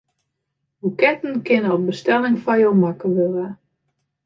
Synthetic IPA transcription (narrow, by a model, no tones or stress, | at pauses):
bukɛtn̩kɪnəɔp̚bəstɛlɪŋfajowmakəʋøla